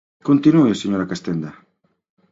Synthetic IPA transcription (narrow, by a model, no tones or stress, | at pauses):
kont̪inueseɲoɾakast̪end̪a